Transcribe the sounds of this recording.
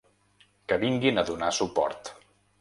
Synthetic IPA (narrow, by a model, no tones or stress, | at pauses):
kəβiŋɡinəðunasupɔ̰ɾt̪